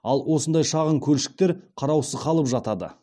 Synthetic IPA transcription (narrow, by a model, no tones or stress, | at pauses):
ɑlˠwo̞sənd̪ɑjʃɑʁəɴkʲʰɵlʃɪ̥k̚t̪e̞ɾqʰɑɾɑwsəzqʰɑlˠəpʒɑt̪ɑd̪ə̰